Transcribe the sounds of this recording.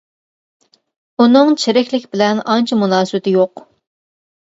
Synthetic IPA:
unɨŋt͡ʃʰeɾɪkʲlɪkʲbɪlɛnɑnt͡ʃʰɛmunɑːswt̪ɪjoq

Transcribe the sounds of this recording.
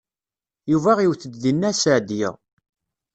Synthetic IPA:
juvæʁiwθəd̪ðinːæsəʕd̪jɪ̰ʁ

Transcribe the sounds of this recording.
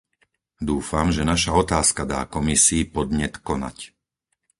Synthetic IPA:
d̪uːfamʒɛnaʃaɔt̪aːskad̪a̰ːkɔmisiːpɔd̪ɲɛt̪kɔna̰c

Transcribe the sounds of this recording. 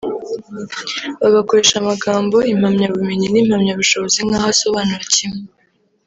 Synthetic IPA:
βaɡako̞ɾe̞ːʃamaɡaːmbo̞im̥hamɲaβumeɲiniːm̥hamɲaβuʃo̞βo̞ziŋhaːhasoβaːnuɾacime

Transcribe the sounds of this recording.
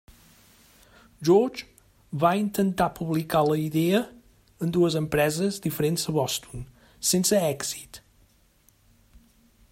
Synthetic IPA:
ʒɔɾd͡ʒ | βaint̪ənt̪apuβlikaləiðeə | ənd̪uəzəmpɾɛzəzd̪ifəɾenzəβɔst̪un | sensəɛɡzi̥t̪

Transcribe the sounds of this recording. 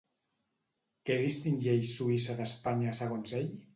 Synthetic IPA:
kɛðist̪inʲʒeʃsuisəðəspaɲasəɣonzeʎ

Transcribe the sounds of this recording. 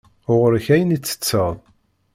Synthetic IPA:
ʊʁəɾçæjənit͡sːə̥t͡sːəʁðˤ

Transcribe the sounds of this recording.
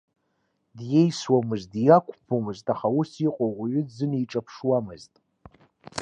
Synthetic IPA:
dje̞jswamɨzdijakʷʰʼpʰomɨztʼaχausiqʼoʁɥʏdzɨnijʈ͡ʂʼapʰʂwamɨztʼ

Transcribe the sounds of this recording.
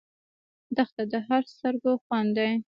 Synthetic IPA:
d̪əxt̪ad̪əɦaɾst̪əɾɡoxwand̪aj

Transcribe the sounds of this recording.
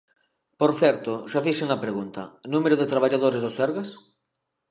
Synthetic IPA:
poɾθɛɾt̪ʊsafiʃeŋɐpɾeɣunt̪ɐnũmeɾʊðet̪ɾaβ̞aʎaðoɾezðosθɛɾɣas

